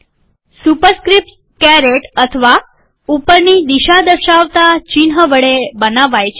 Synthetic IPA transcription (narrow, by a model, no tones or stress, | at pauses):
supəɾskɾip̚ʈ | kɛɾeʈət̪ʰəʋa | upəɾnid̪iʃad̪əɾʃaʋt̪at͡ʃinɦəʋəɭebənaʋajt͡ʃʰe